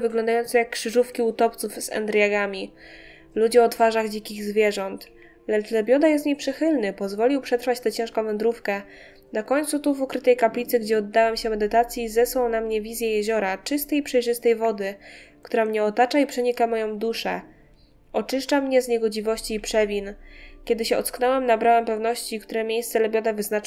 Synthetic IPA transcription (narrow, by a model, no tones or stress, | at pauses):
vɘɡlɔ̃nd̪ajɔnt̪sɛjakːʂɘʐufkʲiut̪ɔpt̪sufzɛ̰nd̪ɾjaɡamʲi | lud͡ʑɛɔt̪faʐaɣd͡ʑikʲiɣzvʲjɛʐɔnt̪ | lɛt͡ʂlɛbʲjɔd̪ajɛst̪ɲejpʂɘxɘlnɘpɔzvɔlʲiwpʂɛt̪ɾfat͡ɕt̪ɛt͡ɕɛ̃w̃ʂkɔ̃w̃vɛnd̪ɾufkɛ | nakɔɲʲt̪sut̪uvɔkɾɘt̪ɛjkaplʲit̪sɘɡd͡ʑɛɔd̪ːawɛmɕɛmɛd̪ɘt̪at̪sʲjizɛswawnamɲɛvʲizʲjɛjɛʑɔɾat͡ʂɘst̪ɛjipʂɛjʐɘst̪ɛjvɔd̪ɘkt̪uɾamɲɛɔt̪at͡ʂaipʂɛɲikamɔjɔ̃w̃d̪uʂɛ | ɔt͡ʂɘʂt͡ʂamɲɛzɲɛɡɔd͡ʑivɔɕt͡ɕiːpʂɛvʲinkʲɛd̪ɘɕɛɔt̪sknɔwɛmnabɾawɛmpɛvnɔɕt͡ɕikt̪uɾɛmʲjejst̪sɛlɛbʲjɔd̪ɛvɘznat͡ʂ